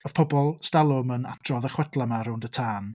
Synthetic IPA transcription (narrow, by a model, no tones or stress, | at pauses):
ɔð̥pʰɔbɔlˠstalˠʊməna̰tʰrɔðəχwɛd̥lˠamaɾʊndətʰaːn